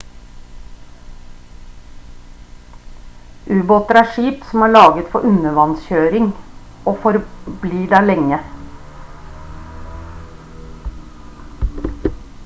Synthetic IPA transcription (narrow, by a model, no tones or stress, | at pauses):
ʔʉːboːt̪əɾæːʃiːpsɔm̩æːɭɑːɡət̪fɔʔʉnəʋɑnsçøːɾɪŋ | oːfɔɾbliːɖæːlɛŋə